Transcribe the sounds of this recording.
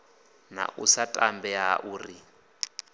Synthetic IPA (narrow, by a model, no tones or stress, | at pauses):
na̰ʔusatʼambɛaʔuːri